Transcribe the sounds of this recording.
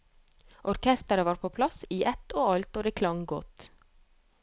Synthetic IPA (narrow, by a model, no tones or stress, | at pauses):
ʔɔɾkʰɛst̪əɾəʋɑːɾpʰoːpʰlɑsiːʔɛt̪oːɑlt̪oːd̪eːkʰlɑŋɡɔt̪